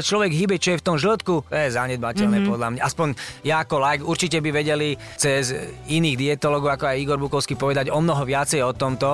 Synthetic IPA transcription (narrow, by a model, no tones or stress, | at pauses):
t͡ʃlɔʋɛɡɦibɛt͡ʃɔjɛft̪ɔmʒl̩t̪kut̪ɔjɛzaɲɛd̪̚bacɛlnɛːpɔd̪lamɲaʔaspɔɲjaːkɔlajkuɾt͡ʃicɛbiʋɛɟɛli | t͡sɛziniːɣd̪iɛt̪ɔlɔɡɔʊakɔajiɡɔɾbukɔʊskiːpɔʋɛd̪aɟɔmnɔɦɔʋɪat͡sɛjɔt̪ɔmt̪ɔ